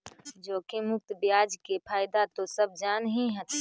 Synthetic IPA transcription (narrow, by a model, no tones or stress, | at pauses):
d͡ʒoːkemʊk̚t̪bjaːd͡ʒkepʰaːjd̪at̪osəb̚d͡ʒaːnɦĩɦət̪